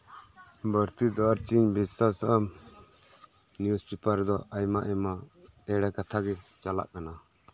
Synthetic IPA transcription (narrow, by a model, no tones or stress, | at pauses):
bəɾt̪id̪ɔɾt͡ʃiɲbisasəm | njuspipəɾd̪ɔajmaʔɛmaɛɽɛkat̪ʰaɡɛt͡ʃala̰ʔkana